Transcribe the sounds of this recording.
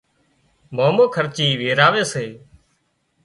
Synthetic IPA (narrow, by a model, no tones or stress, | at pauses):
moːmoːkʰəɾt͡ʃiːʋeːɾaːʋeːseː